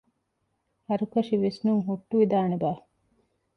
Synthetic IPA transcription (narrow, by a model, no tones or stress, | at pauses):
ɐɾukɐʂiʋesnuŋɦuʈːuʋid̪aːnebaː